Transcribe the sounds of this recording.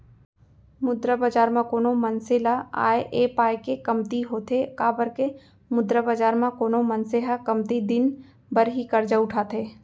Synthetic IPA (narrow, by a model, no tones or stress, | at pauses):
mʊd̪ɾəbad͡ʒaːɾmãkoːnomɐnselaa̰ːeʔeːpaːjkekɐmt̪iɦoːt̪ʰekaːbəɾke | mʊd̪ɾəbad͡ʒaːɾmãkoːnomɐnseɦakɐmt̪id̪ɪn | bəɾɦikɐɾd͡ʒaʊʈʰaːt̪ʰeː